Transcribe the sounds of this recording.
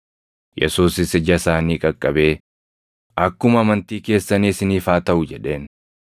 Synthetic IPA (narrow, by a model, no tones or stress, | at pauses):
jɛ̰suːsɪsɪd͡ʒɐsaːniːkʼɐkʼːɐbe̞ː | ʔɐkːʊmɐmɐnt̪iːke̞ːsːɐniːsɪniːfaːt̪ɐʔʊd͡ʒɛᶑe̞ːn